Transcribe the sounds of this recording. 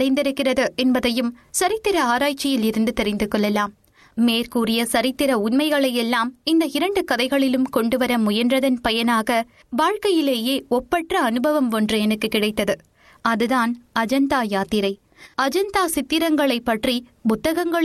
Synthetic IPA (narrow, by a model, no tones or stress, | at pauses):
ɐɪnd̪ɪɾɯkːɪrɐðɯɛnbɐðɐjɯmsɐɾɪt̪ːɪɾɐaːɾaːt͡ʃːɪjɪlɪɾɯnd̪ɯt̪ɛɾɪnd̪ɯkːɔɭːɛlaːmː | eːɾkuːrɪjɐsɐɾɪt̪ːɪɾɐʊnmɐɪɣɐɭɐjɛlːaːmɪnd̪ɐɪɾɐɳɖɯkɐðɐɪɣɐɭɪlɯmkɔɳɖɯʋɐɾɐmʊjɐndrɐðɐnpɐjɐnaːɣɐ | ʋaːɻkɐjɪleːjeːɔpːɐʈrɐɐnɯbɐʋɐmɔndrɯɛnɐkːɯkɪɽɐɪt̪ːɐðɯ | ɐðɯðaːnɐd͡ʒɐnd̪aːjaːt̪ɪɾɐɪ | ɐd͡ʒɐnd̪aːsɪt̪ːɪɾɐŋɡɐɭɐɪpːɐʈrimʊt̪ːɐɣɐŋɡɐɭ